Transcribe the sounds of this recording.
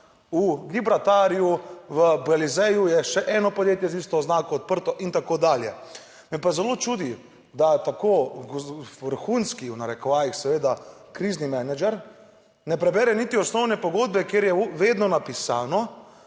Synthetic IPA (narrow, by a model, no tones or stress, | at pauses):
uɡibɾat̪aːɾijuʋəbalizɛjujɛʃɛʔɛnɔpɔd̪jeːt̪jɛzist̪ɔːznaːkɔːt̪̚pəɾt̪ɔʔint̪akoːd̪aːljɛ̰ | mɛpazɛloːt͡ʃuːd̪i | d̪at̪akoːɡʋəɾxuːnskiunaɾɛkɔʋaːjixsɛʋeːd̪akɾiːznimɛnad͡ʒɛɾ | nɛpɾɛbɛɾɛnit̪iɔsnɔwnɛpɔɡoːd̪̚bɛkjeɾjɛʋeːd̪nɔnapisaːnɔ